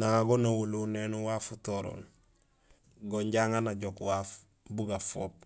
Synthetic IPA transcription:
naŋaɡonawulunenuwaːfutoɾo̰ːn | ɡoɲɟaːŋanaɟokwaːf | buɡafoːp̚

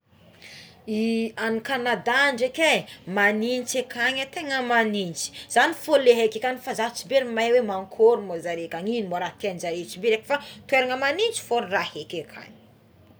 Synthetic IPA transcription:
ianikanad̪aɳɖ͡ʐekemanint͡ʃekʰaɲət̪eŋəmanint͡ʃi̥z̥anifoleɦekʲekanifazat͡ʃibeɾimajwemaŋkʰoɾumozaɾekʲaɲinimboɾat̪end͡ʒaɾet͡ʃibeɾekə̥fat̪weɾaŋəmanint͡ʃi̥foɾirahekʲekʰa̰ɲi̥

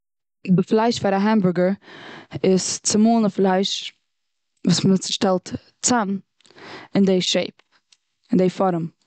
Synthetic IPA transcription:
dɪflˠaɪʃfaɾaɦɛmbʊɾɡəɾ | ɪst͡sɪmuːnəflˠaɪʃ | vuːsmmt͡sɪ̥ʃtɛlˠt | t͡sam | ɪndeɪʃeɪp̚ | ɪndeɪfɔɾəm

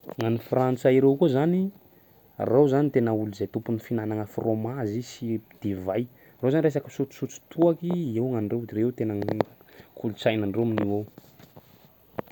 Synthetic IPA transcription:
ŋanifrant͡saiɾewkuzani | rawzanit̪enəuluzajt̪umpunifinanaŋəfromazisid̪̥ivaj | rowzanɾes̬akəsut͡su̥sut͡su̥t̪ʰuakiewŋaɳɖ͡ʐewd̪iɾewt̪enə | kʰulut͡sajnaɳɖ͡ʐewminiwow

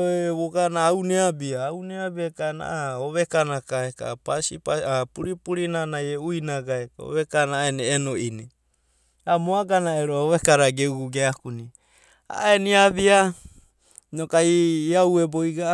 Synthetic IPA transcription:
oβoɡanaːwneabiaːwneabiakana̰aoβekanakaeka̰pasipaapuɾipuɾinanajeujnaɡaekao̰βekanaeneːnoʔini | amoaɡanaeɾooβekaɾaɡeuɡuɡeakuni | a̰eniaβia | nokaiːaweboiɡa

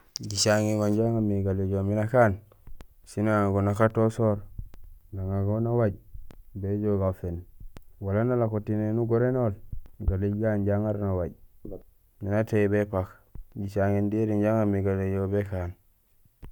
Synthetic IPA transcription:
ɟit͡ʃaŋiɡanɟaŋamiɡaleɟominakan | sinaɡonakatosoɾ | naŋaɡonawaɟbed͡ʒoɡafenwalanalakotinenuɡoɾenolɡaleɡanɟaŋaɾnawaɟ | mːinateibepak | ɟit͡ʃaŋindiɾinɟaŋamiɡalejobekan

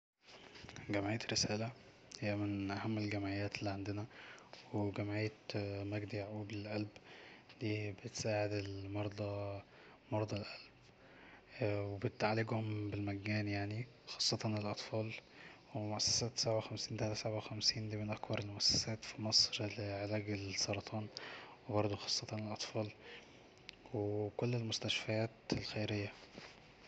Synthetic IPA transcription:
ɡæmʕijːæt̪ɾesæːlæ | hɪjːæmɪnʔæhæmːelɡæmʕejːæːt̪elːiːʕand̪ɪnæweɡæmʕejːæt̪mæɡd̪iʕʔuːbelʔælbd̪iːbet̪saːʕed̪elmɑɾˤd̪ˤɑ | mɑɾˤd̪ˤɑlʔælb | webet̪ʕalːeɡhʊmbelmæɡːæːnjaʕni | xɑ̥ːsˤːɑt̪ɑnelʔɑt̪ˤfɑːlwemoʔæsːæ̥sæːt̪sabʕawxæmsiːnt̪ælæsabawxæmsiːnd̪iːmenʔækbɑɾˤelmoʔæsːæ̥sæːt̪fimɑsˤɾleʕelæːɡelsɑɾˤɑt̪ˤʰɑːnwebɑɾˤd̪ˤoxɑ̥ːsˤːɑt̪ɑnelʔɑt̪ˤfɑːl | wekolːelmʊst̪æʃfæjæːt̪elxejɾejːæ

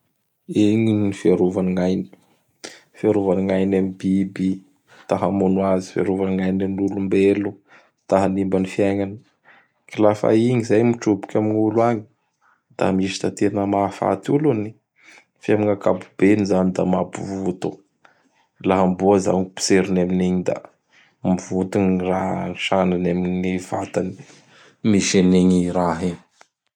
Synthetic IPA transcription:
eɲinifeɾovaniŋajni̥ | faɾuvaniŋajnamibibi | t̪aɦamonwazifḛɾuvaniŋajninulumbelu | t̪aɦanimbanifiaŋanə̥ | kilafa̰iŋizajmiʈ͡ʂubi̥kʲamiɲuluaɲi̥ | d̪̥a̰miʃi̥t̪at̪enəmafa̰t̪uluni | famiŋakabub̥enizanid̪amapuvut̪u | laɦamboaza̰ŋpi̥seɾinaminiɲid̪a̰ | mivut̪unranʃananaminiva̰t̪ani̥ | miʃeniɲiɾaɦiɲ

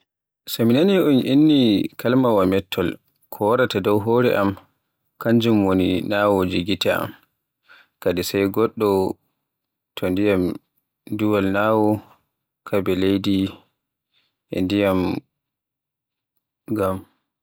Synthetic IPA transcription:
saminaniʔunʔinːikʰalmawamɛtʰːɔl | kʰɔwaɾatadɔwɦoɾɛʔam | kaɲd͡ʒumwoninawod͡ʒiɡitaa̰m | kadisajɡɔɗːɔ | tʰɔndijam | duwalnawɔ | kʰabɛlejdi | ʔɛ̰ndijam | ɡam

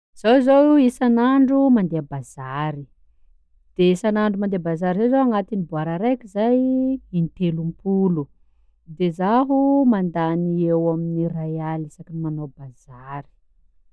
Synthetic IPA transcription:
z̥ozoisanaɳɖ͡ʐumand̪eabazaɾi | d̪̥eisanaɳɖ͡ʐumand̪eabazaɾizowzoaŋat̪inibuaɾaɾekʲizajint̪elumpulu | d̪ezaɦumand̪aniewaminirajalisakinimanobaz̥aɾi̥

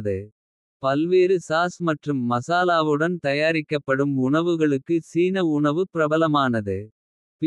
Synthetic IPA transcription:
ðɯ | pɐlʋeːɾɯsaːsmɐʈrɯmːɐsaːlaːʋɯɽɐnt̪ɐjaːɾɪkːɐpːɐɽɯmʊɳɐʋɯɣɐɭɯkːɯsiːnɐʊɳɐʋɯpɪɾɐbɐlɐmaːnɐðɯ | p

